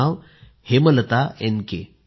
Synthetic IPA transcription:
aʋ | hemələt̪aenkḛ

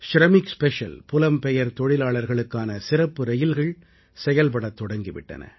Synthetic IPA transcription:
ʃɾɐmɪkspɛʂɐ̰lpʊlɐmpɛjɐɾt̪ɔɻɪlaːɭɐɾɣɐɭɯkːaːnɐsɪɾɐpːɯɾɛjɪlɣɐɭ | sɛjɐlp̬ɐɽɐt̪ːɔɽɐŋɡɪʋɪ̰ʈːɐ̰nɐ̰

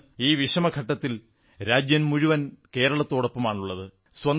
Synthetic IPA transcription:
iːʋiʂɐmɐɡʰʱɐʈːɐt̪ːil | ɾaːd͡ʑjɐnmuɻuʋɐnke̞ːɾɐɭɐt̪ːoːɽɐpːɐmaːɳuɭːɐðɨ | swɐn

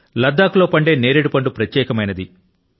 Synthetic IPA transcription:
lɐd̪ːaːkulo̞ːpɐɳɖe̞ːne̞ːɾeɽipɐɳɖupɾɐt̪jɛːkɐmɐjnɐd̪i

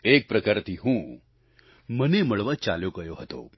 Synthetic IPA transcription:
eːk̚pɾəkaːɾt̪ʰiɦũː | məneməɭʋat͡ʃa̰ːljoɡəjoɦət̪o̰

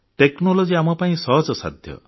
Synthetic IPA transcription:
ʈeknɔlod͡ʒiamɔpaĩsɔɦɔd͡ʒɔsa̰d̪ʱjɔ̰

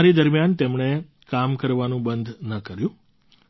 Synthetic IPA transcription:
ɾid̪əɾmjant̪emɳ̃e | kamkəɾʋanũbənd̪ʱnəkəɾjũ

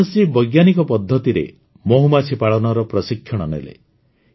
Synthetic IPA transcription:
sibɔjɡjanikɔpɔd̪ʱːɔt̪iɾḛ | mɔɦumat͡ʃʰipaɭɔnɔɾɔpɾɔsikʰjɔɽ̃ɔnḛlḛ

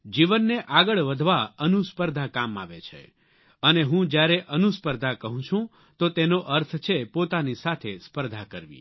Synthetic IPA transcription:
d͡ʒiʋənːeʔaɡəɭʋəd̪ʱʋaənuspəɾd̪ʱakama̰ʋet͡ʃʰḛ | əneɦũd͡ʒjaɾeʔənuspəɾd̪ʱakəɦũt͡ʃʰũ | t̪ot̪enoʔəɾt̪ʰt͡ʃʰepot̪anisat̪ʰespəɾd̪ʱakəɾʋḭ̃

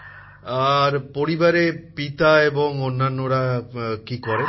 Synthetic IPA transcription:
aɾpoɽibaɾepit̪aebɔŋonːanːoɽakikɔɾe

